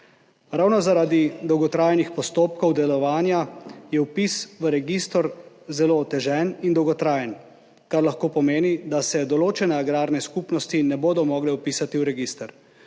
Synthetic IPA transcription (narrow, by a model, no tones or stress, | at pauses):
ɾaːwnɔzaɾad̪id̪ɔwɡɔt̪ɾaːjnixpɔst̪oːp̚kɔwd̪ɛlɔʋaːnjajɛwpisʋəɾɛɡist̪ɔɾ | zɛloːt̪ɛʒɛnind̪ɔwɡɔt̪ɾaːjən | kaɾlaxkoːpɔmeːnid̪asɛd̪ɔloːt͡ʃɛnɛaɡɾaːɾnɛskupnɔst̪inɛboːd̪ɔmɔːɡlɛupiːsat̪iwɾɛɡist̪əɾ